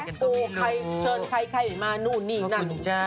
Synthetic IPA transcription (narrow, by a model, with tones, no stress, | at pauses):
kuː˧ka˧jt͡ɕʰɤː˧nkʰa˧jkʰa˧˩jmaː˧nuː˥˩niː˥˩na˧˥˩